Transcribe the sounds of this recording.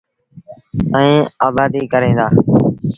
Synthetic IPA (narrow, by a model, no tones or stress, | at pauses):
ə̃ĩːaːbaːd̪iːkəɾẽːnd̪aː